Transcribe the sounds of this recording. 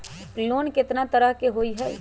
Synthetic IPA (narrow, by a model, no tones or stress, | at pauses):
ploːnkɪt̪nat̪əɾəɦkeɦoːiɦɛ